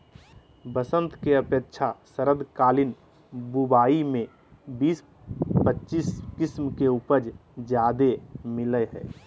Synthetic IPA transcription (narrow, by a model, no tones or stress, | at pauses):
bəsə̃nt̪keəpjəkt͡ʃʰasəɾəd̪kaːlɪn | bubaːimẽ | biːs | pətːt͡ʃiːskɪsmkeupəɾd͡ʒd͡ʒjaːd̪emɪləɦɛ̰ː